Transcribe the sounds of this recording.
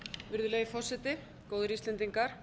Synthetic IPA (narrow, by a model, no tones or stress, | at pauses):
vɪɾðʏlɛːɣɪfɔ̥sːɛt̪ɪ | kowðʏɾist̪ɛnt̪iŋkaɾ̥